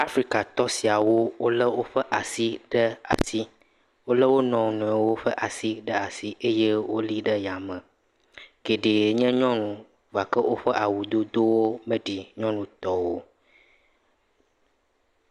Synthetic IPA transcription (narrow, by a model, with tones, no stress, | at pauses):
a˦fɾi˦ka˨t̪ɔ˦si˨a˨wo˦wo˦lə˦wo˦ɸə˦ʔa˨si˦ɖə˦a̰˨si˦ | wo˦lə˦wo˦nɔ̃˨nũ˨ɛ˨wo˦ɸə˦ʔa˨si˦ɖə˦a˨si˦ʔe˦je˦wo˦li˦ɖə˦ja˨mə̃˨ | ke˨ɖe˨ɲɛ̃˦ɲɔ̃˦nũ˨ | va˨kə˦wʔo˦ɸə˦ʔa˨wu˨d̪o˦d̪o˦wo˦mə˦ɖi˨ɲɔ̃˦nũ˨t̪ɔ˦wo˦